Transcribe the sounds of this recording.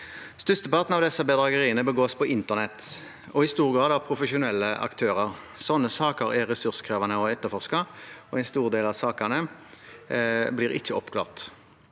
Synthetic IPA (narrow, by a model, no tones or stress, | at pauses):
st̪ʉst̪əpɑʁt̪nɑʋd̪ɛsːəbəd̪ʁɑɡəʁiːənəbəɡoːspʰɔɪnt̪əʁnɛt̪ː | ɔɪst̪uːʁɡʁɑːd̪ɑpʰɾʊfəʃʊnɛlːəʔɑ̰kt̪ʰøːʁəʁ | sɔnːəsɑːkəɾɛʁɛsʉʁskʰʁɛːʋɑnəɔɛt̪ːəfɔʁskəʁɔɛɪst̪uːʁd̪eːlɑʋsɑːkənə | blɪːʁɪ̰çːəɔpːkʰlɑ̰ːʁt̪